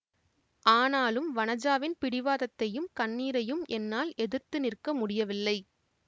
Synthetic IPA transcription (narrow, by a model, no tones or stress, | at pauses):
ʔaːnaːlɯmʋɐnɐd͡ʒaːʋɪnpɪɽɪʋaːðɐt̪ːɐjɯmkɐnːiːɾɐjɯmʔɛnːaːlɛðɯɾt̪ɯnɪrkɐmʊɽɪjɐʋɪlːɐɪ